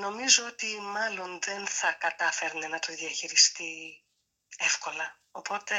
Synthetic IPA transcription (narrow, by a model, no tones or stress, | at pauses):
no̞mizoot̪imɐlo̞nðe̞nθɐkɐt̪ɐfeɾnenɐt̪oðiɐçiɾist̪i | e̞fko̞lɐ | opo̞t̪e̞